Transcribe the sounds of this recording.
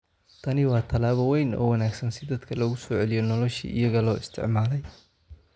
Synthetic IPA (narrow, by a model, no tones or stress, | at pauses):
t̪ʰɐnɪwɑːt̪ʰɐlaːβɐwɛjnɔ̰ːwɐnaːɡsɐnsɪd̪ɐd̪kʰɐlɐɣʊsɔːʕɛlɪjɔnɔlɔʃḭʔɪ̰jɐɣɐlɔːɪst̪ʰɪ̰ʕmaːlɛj